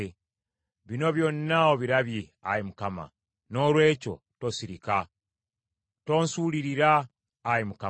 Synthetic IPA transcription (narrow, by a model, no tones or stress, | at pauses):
βino̞βjonːaoβiɾaβje | ajimukama̰ | no̞lwe̞ːco̞̰ | to̞siɾika | to̞ːnsuːliɾiɾaː | jimuka